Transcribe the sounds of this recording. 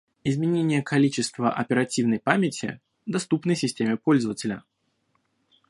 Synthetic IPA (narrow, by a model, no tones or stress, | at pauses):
ɪzmʲɪnʲenʲɪjəkʰɐlʲit͡ɕɪst̪vəʔɐ̰pʲɪɾɐtʲivnəjpamʲɪtʲɪ̰ | d̪ɐst̪upnəjsʲɪsʲtʲemʲɪpo̞lʲzəvətʲɪlʲə